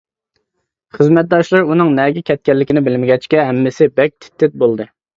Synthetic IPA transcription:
χəzmɛt̪̚d̪ɑʃlˠɨɾunɨŋnɛɡʲɛkʲʰɛt̪̚kʲɛlːɪkʲinɪbɪlmɪɡʲɛt͡ʃkʲɛɦɛmːɪsɪbɛk̚ʲt̪ʰɪ̥t̪ʰːɪt̪̚bolˠd̪ɨ

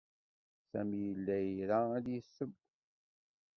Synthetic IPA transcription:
sæmijəlːæjəɾææd̪jəsːəb

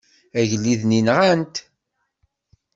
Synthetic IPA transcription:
æʝlːiðninʁænt̪

